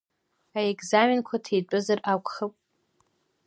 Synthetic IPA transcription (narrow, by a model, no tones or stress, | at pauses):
aekzamenkʷʰatʰejt͡pʼʊzarʔakʷχəpʼ